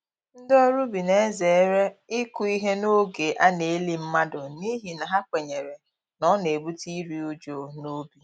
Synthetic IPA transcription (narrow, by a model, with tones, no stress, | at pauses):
n̩˦dɔ˦ɾu˦bi˨ne˦e˦ze˨˦ɾe˦ɪ˦ku˦i˦ɦe˦no˦ɡe˨ʔa˦ne˨˦li˦m̩˦ma˦dʊ˨ni˦ɦi˨na˨ɦa˦kʷe˨ɲe˨ɾe˨ | nɔ˦ne˨bu˦ti˦ɾi˦u˦d͡ʒo˨no˦bi˦